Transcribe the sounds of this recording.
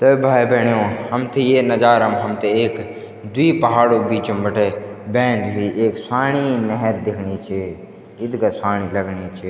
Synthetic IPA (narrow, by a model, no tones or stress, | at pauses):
t̪ɐbʱaːibʱɛːɳ̃ijõːhɐmt̪ʰejenəd͡ʒaːɾəmɦɐmt̪ʰeeːk | d̪ʊiːpɐɦaːɽobiːt͡ʃõmbəʈʰeːbɛ̃ːnd̪ɦiʔeːksaːɽ̃inɛɦɛɾd̪ɪkʰɳit͡ʃʰe | ɪd̪kasaːɽ̃iləɡɳit͡ʃʰe